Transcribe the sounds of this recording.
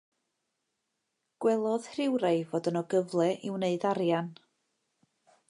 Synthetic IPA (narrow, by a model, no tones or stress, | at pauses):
ɡ̥wɛlˠɔð̥hrɪwɾajvoːdənɔɡəvlˠɛʔɪwneɨðaɾjan